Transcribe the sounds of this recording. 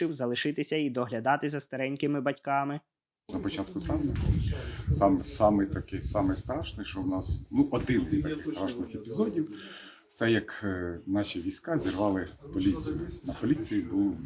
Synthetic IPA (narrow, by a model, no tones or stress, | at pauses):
ɪwzɐlˠɪʃɪt̪ɪsʲɐid̪ɔɦlʲɐd̪ɑt̪ɪzɐst̪ɐɾɛnʲkɪmɪbɐtʲkɑmɪ | zɐpɔt͡ʃɑt̪̚kʊt̪ɾɑwnʲɐ | sɑmsɑmɪt̪ɐkɪsɑmɛst̪ɾɑʃnɪʃt͡ʃɔwnɑsnuʔɔd̪ɪnɪzʲt̪ɐkɪxt̪ɾɑʃnɪxepʲizɔdʲiw | t̪sɛjɐknɑʃʲiʋʲijsʲkɑzʲirʋɑlˠɪpɔlʲit͡s̪ʲijʊnɐpɔlʲit͡s̪ʲijibulˠ